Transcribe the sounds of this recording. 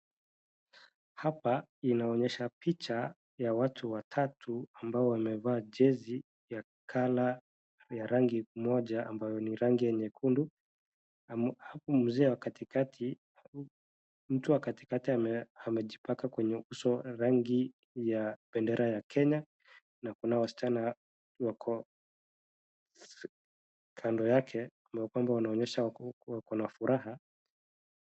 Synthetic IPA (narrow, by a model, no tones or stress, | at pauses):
hapainaɔɲɛʃapit͡ʃa | jawatʰuwatʰatʰuambaɔwamɛvaːʄɛzi | ja | kʰala | jaɾaŋɡimɔʄaambajɔniɾaŋɡijɛɲɛkʰundu | am̩zɛːwakatikatʰi | m̩tuwakati̥katiaamɛʄipakakwɛɲɛuusɔɾaŋɡi | jaɓɛndɛɾajakʰɛɲa | nakunawasi̥t͡ʃana | wakʰɔ | kʰandɔjakʰɛambajɔkwambaunaɔɲɛʃawakɔnafuɾaɦa